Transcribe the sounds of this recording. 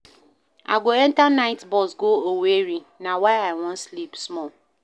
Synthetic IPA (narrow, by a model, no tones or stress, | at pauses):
a̰ɡoɛntanaɪtbɔsɡooweɾinawaɪaɪwɔ̃nslipsmɔl